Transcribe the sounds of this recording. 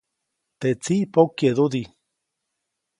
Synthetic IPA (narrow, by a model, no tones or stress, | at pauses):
t̪et͡sipokjeðuði